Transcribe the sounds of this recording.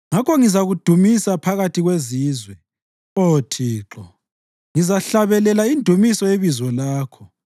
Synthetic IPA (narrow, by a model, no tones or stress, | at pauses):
ŋakɔŋizaɣud̥ʱumisapʰaɣatʰiɣweziːzwɛ | otʰiːǁɔ | ŋizaɬaβɛlɛlaindʱumisɔeβizɔlaːkʰɔ